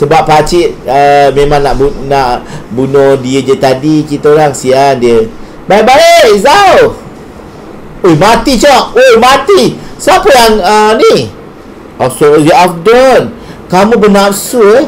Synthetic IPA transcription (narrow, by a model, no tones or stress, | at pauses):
səbapːat͡ʃit̪̚əmẽmãŋnaʔbnaʔbunɔdiəd͡ʒət̪adikit̪olaŋsiandiə | baibaeʔsaw | ojmat̪it͡ʃɔʔojmat̪isapəjaŋəni | ɔsojuafdɔn | kamũbənaapsue